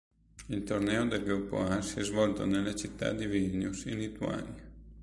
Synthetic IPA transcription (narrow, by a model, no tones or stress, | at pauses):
ilt̪ornɛːod̪elɡɾupːo̰asiɛzvɔlt̪o̰nelːat͡ʃit̪ːa̰d̪ivinjusinːit̪ua̰ːnja